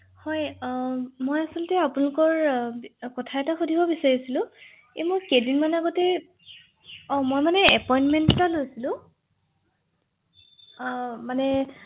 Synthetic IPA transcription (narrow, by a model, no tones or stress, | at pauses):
hɔj | mojasɔltɛapunalʊkɔɹ | kɔtʰaɛtaxodʱibɔbisaɹisilʊ̃ | ejmojkedinmanaɡɔtɛ | ɔ̃mojmanɛɛpɔjinmɛnttalojsilʊ̃ | manɛ